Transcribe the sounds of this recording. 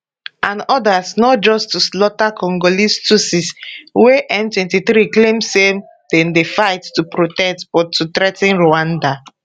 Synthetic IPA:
ãnɔdasnɔt̚d͡ʒɔstuslɔtakɔ̃ŋɡolistusisweʔɛ̃ntwɛ̃ntiθɾiklẽmse | d̥ɛ̃ndefaɪtːupɾotɛtb̥ɔtːutɾɛtɛ̃nɹoãnda

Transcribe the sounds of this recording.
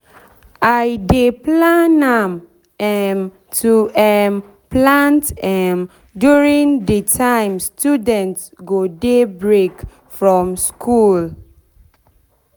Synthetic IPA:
ajdeplãnam | ɛm | tuɛm | plãntɛm | djuɹĩŋdətʰãɪ̃mstudɛ̃ntsɡodebɹek | fɹɔ̃mskʰul

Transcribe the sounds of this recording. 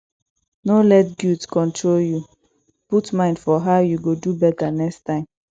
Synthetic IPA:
nolɛtɡjudskɔ̃ntʰɹolju | putmãɪ̃ndfɔɦaʊjuɡodubɛtanɛkstãɪ̃m

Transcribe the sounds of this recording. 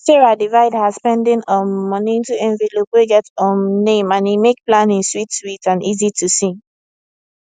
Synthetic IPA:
tɛɹadivaɪdhazspɛ̃ndɪ̃nɔmːɔniĩntuɛ̃ɱvilopweɡɛtɔ̃mnẽmãnimek̚plãnĩnswitswitãnʔizitʰusĩ

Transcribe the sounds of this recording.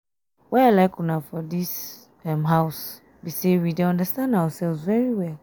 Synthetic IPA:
waalaɪkunafɔðis | ɛ̃mɦaʊs | bisewideãndəstãndaʊəsɛlvzvɛɹiwɛl

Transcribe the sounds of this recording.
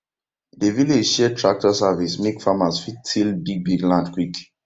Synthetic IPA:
deviled͡ʒʃɛtɹak̚tɔsavismekfamasfittʰilbiɡ̚biɡlãndkwik

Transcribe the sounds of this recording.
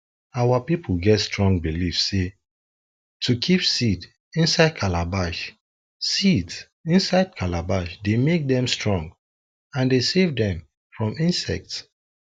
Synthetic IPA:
awapipʰl̩ˠɡɛtstʰɹɔ̃ŋɡbilifsːe | tʰukʰipsid | ĩnsaɪd̚kʰalabaʃ | sids | ĩnsaɪd̚kʰalabaʃdemek̚dɛ̃mstʰɹɔ̃ŋɡ | ãndesevdɛ̃m | fɹɔ̃mĩnsɛ̰k̚ts

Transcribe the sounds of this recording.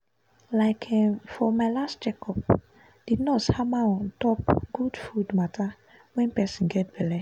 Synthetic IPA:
laɪkʰɛ̃mfɔmaɪlast̚d͡ʒɛkɔp̚ | d̥idnɔthamaɔntɔpɡ̥udfudmata | wɛ̃npɛsĩnɡɛt̚bɛlɛ

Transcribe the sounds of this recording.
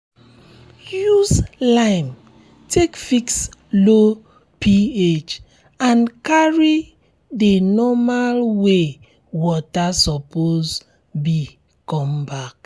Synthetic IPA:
juzlãm | tʰekfikslo | pʰiet͡ʃ | ãnkaɹi | denɔmalwe | wɔtasɔpoz | bi | kɔ̃mbak

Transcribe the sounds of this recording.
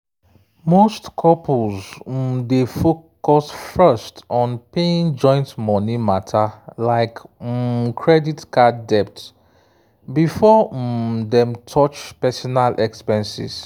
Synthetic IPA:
mostkʰɔpʰlz̩mdefokɔsfɛstɔ̃npeĩnd͡ʒɔ̃ɪ̃ntmɔ̃nimatʰalaɪk̩ | kʰɹɛditkadɛp̚t | bifɔ | dɛ̃mtʰɔt͡ʃpɛsɔnalʔɛkspɛ̃nsḭz̥

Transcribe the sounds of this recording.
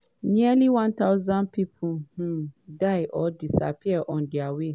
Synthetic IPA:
nĩɛliwãnt̪aʊzãnpʰipʰu | daɪʔɔdisa̰pʰiɛʔɔ̃ndiawe

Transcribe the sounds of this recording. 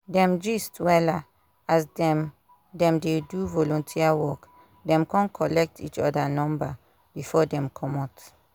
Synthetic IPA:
dɛ̃md͡ʒistwɛla | asdɛ̃m | dɛ̃mdeduvɔlɔ̃ntʰiawɔk | dɛ̃mkʰɔ̃nkʰɔlɛk̚tʰit͡ʃɔ̰danɔ̃mba | b̥ifɔdɛ̃mkʰɔmat

